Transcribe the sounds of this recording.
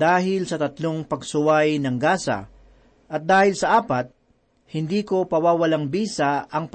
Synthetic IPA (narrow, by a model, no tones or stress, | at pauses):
aːɦɪlsɐt̪ɐt̪loŋpɐɡsʊwajnɐŋɡaːsɐ̰ | ʔɐt̪̚d̪aːhɪlsɐʔaːpɐt̪̚ | hɪnd̪iːko̞pɐwaːwɐlaŋbiːsaɐŋp